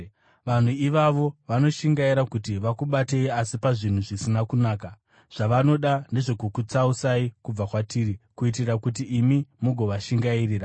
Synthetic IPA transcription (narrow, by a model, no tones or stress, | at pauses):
ʋan̤uiʋaʋo̞ʋano̞ʃiŋɡaiɾakutiʋakuɓate̞iasipaʐin̤uʐisinakunaːka | ʐ̥aʋano̞ɗane̞ʐe̞kukut͡sausaikub͡vakwatiːɾikuit̬irakutiʔːmimuɡʱo̞ʋaʃiŋɡairiːra